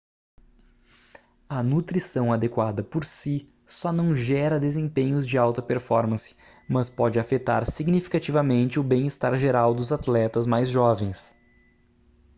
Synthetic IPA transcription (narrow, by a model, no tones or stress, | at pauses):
ɐnut̪ɾisɐ̃w̃ad̪ekwad̪ɐpoɾsi | sɔnɐ̃w̃ʒɛɾɐd̪ezẽpẽɲʊzd͡ʒɪawt̪ɐpeɾfɔɾmɐ̃sɪ̥ | mɐspɔd͡ʒɪafet̪a̰ɾsiɡnifi̥kat͡ʃivɐmẽnt͡ʃɪʊbẽj̃ɪst̪aɾʒeɾawd̪ʊzat̪lɛt̪ɐzmajzʒɔvẽj̃s